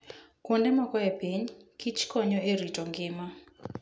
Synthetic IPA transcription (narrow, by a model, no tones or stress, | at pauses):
kondɛmɔkɔɛpeɲkit͡ʃkɔɲɔʔeɾitɔŋɡɪma